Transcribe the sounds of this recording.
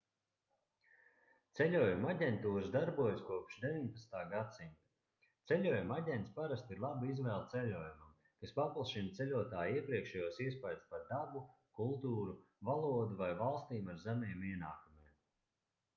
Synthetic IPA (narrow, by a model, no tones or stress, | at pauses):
t̪sɛlʲuɔjumaɟʲent̪uːɾsd̪aɾbuɔjaskuɔpʃd̪eviɲpat̪st̪aːɡat̪sinʲt̪ḁ | t̪sɛlʲuɔːjumaɟʲɛnt̪spaɾast̪iɾlˠabizvɛːlˠt̪sɛlʲuɔːjumam | kaspaplˠsʃint̪sɛlʲuɔt̪aːjiɛpɾiɛkʃɛjuɔsiɛspajd̪spaɾd̪abu | kulˠt̪uːɾu | valˠuɔd̪uvajvalˠst̪iːmaɾzæmɛɛmiɛnaːkumɛːm